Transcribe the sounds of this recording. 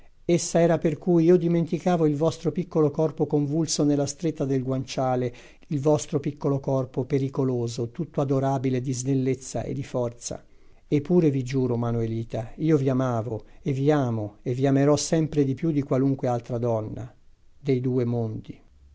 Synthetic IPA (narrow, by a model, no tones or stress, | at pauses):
esːaɛːɾaperkujiːod̪iment̪ikaːvoilvɔst̪ɾopikːolokɔrpokoɱvulsonelːast̪ɾet̪ːad̪elɡwant͡ʃaːle | ilvɔst̪ɾopikːolokɔrpopeɾikoloːzot̪ut̪ːoad̪oɾaːbiled̪izd̪elːet̪sːa̰ʔḛd̪ifɔrt̪sa̰ | epːuːɾevid͡ʒuːɾomanoeliːt̪aiːoviamaːvoeviaːmoevːiameɾɔsːɛmpɾed̪ipjud̪ikwaluŋkwealt̪ɾad̪ɔnːa̰ | d̪ejd̪uːemond̪i